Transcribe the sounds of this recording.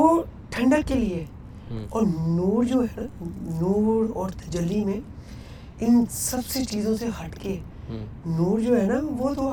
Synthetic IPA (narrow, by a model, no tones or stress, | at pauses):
oʈʰɐ̃ɳɖəkːelie | ɔːɾnuːɽd͡ʒoːɦɛnanuːɽɔːɾt̪ʰɐd͡ʒəlːimẽ | ɪnsɐbset͡ʃiːzõseɦɐʈke | nuːɽd͡ʒoːɦɛnaʋot̪ʰoa